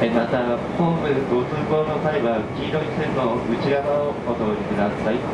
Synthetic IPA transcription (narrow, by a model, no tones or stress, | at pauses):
emat̪apoːmɯɡot͡sɨːboːnot̪aebɯakʲiːɾoɲiseɾnoɯ̟t͡ɕiɡanaokot̪oɲikɯ̟d̪asai